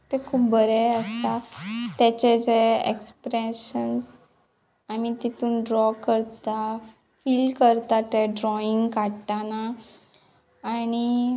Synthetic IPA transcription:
t̪ekʰuːp̚bʱəɾeəst̪at̪ɛt͡ɕed͡zeḛkspɾeɕəns | amit̪it̪uːnɖɾɔkəɾt̪a | fiːlkəɾt̪at̪eɖɾɔiŋɡkaɽt̪ana | ñi

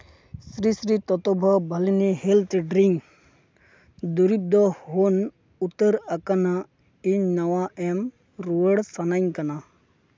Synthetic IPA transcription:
sɾisɾit̪ɔt̪ɔbʱɔbʱɐliniɦelt̪ʰɖɾiŋ | d̪uɾip̚d̪ɔɦon | ut̪ːəɾɐkana | iɲnɐwaʔem | ɾuəɽsanaŋkɐna

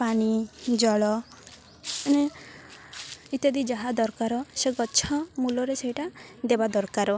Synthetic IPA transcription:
paɽ̃id͡ʒɔɭɔ | ne | it̪ɔd̪id͡ʒaɦad̪ɔɾkaɾɔseɡɔt͡ʃʰɔmulɔɾeseɦiʈad̪ebad̪ɔɾkaɾɔ

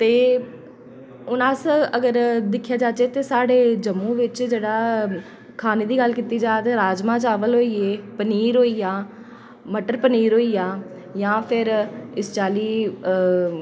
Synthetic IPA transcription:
t̪eː | ʊnaːsəɡəɾd̪ɪkʰːjaːd͡ʒaːt͡ʃeːt̪eːsaːɖeːd͡ʒəmːũːʋɪt͡ʃd͡ʒeːɽaː | kʰaːneːd̪iːɡəlkiːt̪iːd͡ʒaːt̪eːɾaːd͡ʒmãːt͡ʃaːʋəlɦoːiːeːpəniːɾɦoːiːjaː | məʈəɾpəniːɾɦoːiːjaː | jãːpʰɪɾɪst͡ʃaːliː

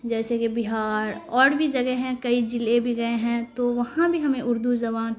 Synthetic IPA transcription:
d͡ʒɛːsekibɪɦaːɾɔːɽbʱid͡ʒɐɡɛɦɛ̃kɐid͡ʒɪlebʱiɡɐeɦɛ̃t̪oʋɐɦãbʱiɦɐmẽʔʊɾd̪uzɐβaːn

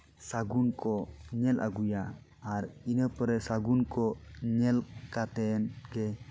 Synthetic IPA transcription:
saɡunkɔɲɛla̰ɡujaː | ɾinəpəɾɛsaɡunkɔɲɛlkat̪ɛnkɛ

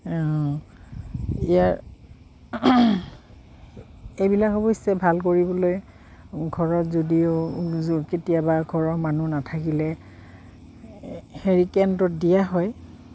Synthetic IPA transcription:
ijaɹ | ejbilakɔbɔjsɛbʱalk̬oɹibɔloj | ɡʱɔɹɔtzodiʊ | ketiabaɡʱɔɹɔɹmanunatʰakilɛ | heɹikɛntɔt̚dijaɦɔj

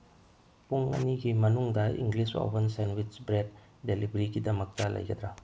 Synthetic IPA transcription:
puŋɐ̰niɡimɐnuŋdɐḭŋɡliso̰bɐnsenwit͡ʃbɾet̚ | delibɾiɡidɐmɐk̚tɐlɐ̰jɡɐd̪ɾa

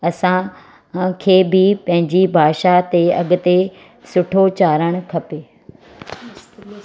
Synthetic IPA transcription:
ɐsã | kʰeːbɪpɐ̃ɦɪ̃ɲd͡ʑibʱaːʃat̪eɐɠʊt̪e | sʊʈʰot͡ɕaːɾəɽ̃ʊkʰɐpeː

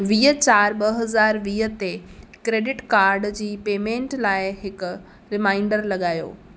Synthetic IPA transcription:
ʋiːɦət͡ɕaːɾɓɐɦɐzaːɾʋiːɦə̆t̪ekɾeːɖɪʈkaːɾɖd͡ʑiːpeːmẽːɳʈlaːɪɦɪkʊ̆ | ɾɪmãːɪɳɖəɾlɐɠaːjo̰ː

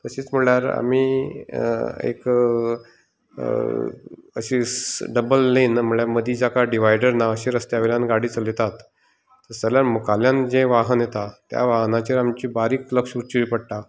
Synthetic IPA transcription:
t̪əɕiːt͡sm̤əɭjaɾa̰miː | ḛk | ə̰ɕisɖəbəlːenm̤əɭjaɾməd̪ʱiːd͡ʑakaɖiʋajɖəɾnaəɕeɾəst̪jaʋeljanɡaɽiːt͡səlet̪at̪ː | əɾt͡səljaɾmukaljãnd͡ʑẽʋaɦənjet̪at̪ja̰ʋaɦnat͡ɕeɾamt͡ɕiːbaɾiːkləkʂuɾt͡ɕiipəɽʈa

